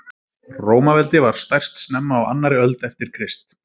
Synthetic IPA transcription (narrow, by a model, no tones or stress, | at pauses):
roːwmavɛlt̪ɪvaɾ̥st̪ajr̥st̪snɛmːaːwa̰nːaɾɪœlt̪ɛft̪ɪɾ̥kʰɾɪst̪